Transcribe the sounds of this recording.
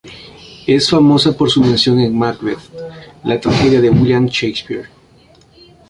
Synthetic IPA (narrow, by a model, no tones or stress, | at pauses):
e̞sfamo̞sapo̞ɾsumẽnsjo̞ŋeŋmakweðlat̪ɾaxe̞ðjaðe̞wiljanʃejspiɾ